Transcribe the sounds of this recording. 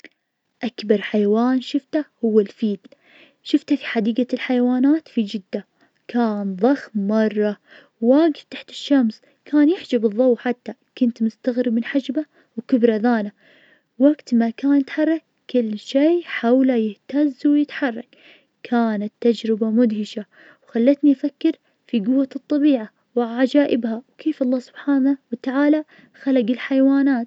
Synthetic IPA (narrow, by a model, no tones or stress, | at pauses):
ʔakbɑɾˤħajawaːnʃɪft̪ahʊwːalfiːd̪ | ʃɪft̪afiħad̪iːɡalħajwaːnaːt̪fid͡ʒɪd̪ːa | kʰaːnðˤɑxmːɑrˤːɑ | waːɡɪft̪aħt̪ɪ̥ʃːamsˤ | kʰaːnjɪħd͡ʒabɨðˤːɑwːħat̪ːakʊnt̪mʊst̪aɣɾɪbmɪnħad͡ʒba | wkɪbɾˤɑðaːna | waɡt̪makaːnɪt̪ħɑrˤːɑkːɪlːʃeːħawlajɪht̪azwjɪt̪ħɑrˤːɑk | kʰaːnat̪ːad͡ʒɾɪbamʊd̪hɪʃa | wxalːat̪niʔafakːɪɾ | fiɡʊwːat̪ˤːɑbiːʕa | wʕaʕad͡ʒaːʔɪbhawkʰeːfɑlˤːɑːsʊ̥b̥ħaːnawat̪aʕaːla | xalaɡɪlħajwaːnaːt̪